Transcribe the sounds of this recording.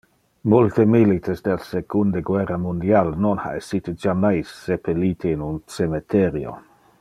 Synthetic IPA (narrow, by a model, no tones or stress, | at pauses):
mult̪emilit̪ʰesd̪elsekʰund̪eɡweramund̪ialnonha̰esit̪ed͡ʒamajsːepʰeliːt̪ʰeinunsemet̪ʰeɾjo̰